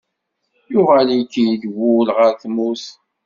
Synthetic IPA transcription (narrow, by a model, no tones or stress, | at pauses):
jʊʁælikːijd̪wʊlʁəɾθmus